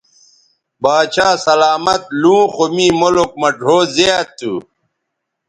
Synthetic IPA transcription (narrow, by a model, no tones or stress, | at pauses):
baːt͡ɕaːsɐlaːmɐt̪̚lũːxomĩːmolok̚mɐɖʱoːzejat̪ːṵ